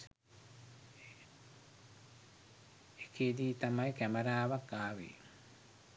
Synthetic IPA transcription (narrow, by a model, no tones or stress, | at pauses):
ekʰeːd̪iːt̪ɐmɐjkɛmɐɾaːʋɐkːaːʋḭ